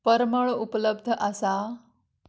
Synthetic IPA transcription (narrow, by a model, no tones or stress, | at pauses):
pəɾməɭupləb̚d̪ʱəʔasa